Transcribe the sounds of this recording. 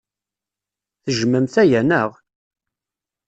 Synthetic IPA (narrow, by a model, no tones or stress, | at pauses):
θəʒməmθæjænəʁ